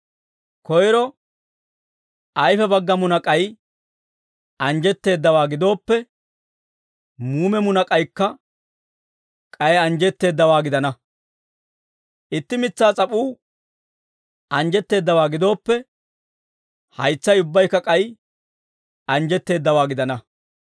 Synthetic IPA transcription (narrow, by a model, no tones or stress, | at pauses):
kɔjɾɔ | ʔɐjfɛbɐɡːɐmʊnɐkʼɐj | ɐnd͡ʒɛt̪ːe̞ːd̪ːɐwaːɡɪd̪o̞ːpːɛ | muːmɛmʊnɐkʼɐjkːɐ | kʼɐjɛɐnd͡ʒɛt̪ːe̞ːd̪ːɐwaːɡɪd̪ɐnɐ | ʔɪt̪ːɪmɪt͡sːaːt͡sʼɐpʼuː | ɐnd͡ʒɛt̪ːe̞ːd̪ːɐwaːɡɪd̪o̞ːpːɛ | hɐjt͡sːɐjʊbːɐjkːɐkʼɐj | ɐnd͡ʒɛt̪ːe̞ːd̪ːɐwaːɡɪd̪ɐnɐ